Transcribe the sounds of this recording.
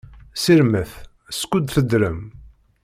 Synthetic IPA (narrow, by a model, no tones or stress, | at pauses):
siɾməθ | skʷːud̪θəd̪ɾəm